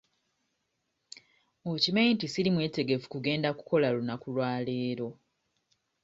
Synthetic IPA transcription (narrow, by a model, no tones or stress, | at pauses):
ocimeintisilimwe̞ːte̞ɡe̞fu̥kuɡe̞ːndaku̥ko̞lalunakulwaːle̞ːɾo̞